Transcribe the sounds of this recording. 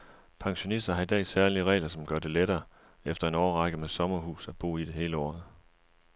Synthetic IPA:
pʰɑ̈ŋɕo̝nisd̥ɐɦɑ̈id̥ɛ̰ːsæɐliəʁɛ̰ːlɐsɒ̽mɡ̥ɶɐd̥e̝leɾɐː | efd̥ɐe̝nɒːɐʁɑ̈ɡ̥əmesɒ̽mɐɦṵːsæb̥o̝̰ːid̥e̝ɦe̝ːləɒ̰ːð̩ˠ

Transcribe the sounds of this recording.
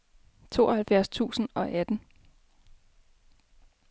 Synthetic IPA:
t͡sʰo̝̰ːɒhælfjæɐ̰st͡sʰṵːsn̩ɒ̽ʔæd̥n̩

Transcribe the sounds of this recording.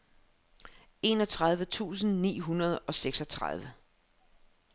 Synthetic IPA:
e̝nɒ̽t͡sʰʁað̞ˠʋət͡sʰṵːs̬n̩nḭːɦunɐð̞ˠɒ̽seɡ̥sɒ̽t͡sʰʁa̰ð̞ˠʋə

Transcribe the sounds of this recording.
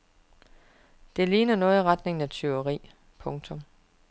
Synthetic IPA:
d̥e̝liːnɐnɔ̽ːð̩ˠʁɑ̈d̥ne̝ŋnæt͡sʰyʊɐʁḭː | pʰɔ̽ŋt͡sʰɔ̽m

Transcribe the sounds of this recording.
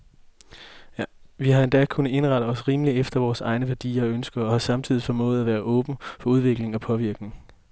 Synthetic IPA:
ʋiɦɑe̝nd̥ɛ̰kʰunəe̝nʁɑ̈d̥əɒ̽sʁiːməliefd̥ɐʋɒːsɑ̈ɪnəʋæɐd̥ḭːɐɒ̽ønsɡ̥ɐɒ̽hɑ̈sɑ̈mt͡sʰiðˠifɒ̽mɔ̽ːð̩ˠæʋæːɐʔɔ̽ːb̥n̩fɒ̽uð̞ˠʋe̝ɡ̥le̝ŋɒ̽pʰɒ̽ʋiɐɡ̥ne̝ŋ

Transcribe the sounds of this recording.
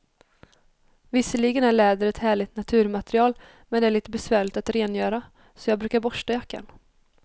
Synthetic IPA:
vɪsːəɭiːɡənæɭɛːd̪əɾɛt̪hæːɭɪt̪nat̪ʰʉ̟ːɾmat̪ɛɾɪɑːl | mɛnd̪ɛæɭiːt̪əbɛsvæːɭɪt̪at̪ɾeːnjœːɾa | sɔjɑːɡ̚bɾʉ̟ːkaɾbɔʂʈajakːa̰n

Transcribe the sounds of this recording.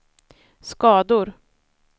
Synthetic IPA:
skɑːd̪ʊɾ

